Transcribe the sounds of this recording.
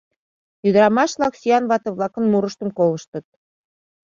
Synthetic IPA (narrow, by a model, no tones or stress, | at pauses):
jyd̪əɾɑmɑʃβlɑksijɑnβɑt̪ɤ̆βlɑkə̆nmuɾəʃt̪ə̆mkolə̆ʃt̪ɤ̆t̪̚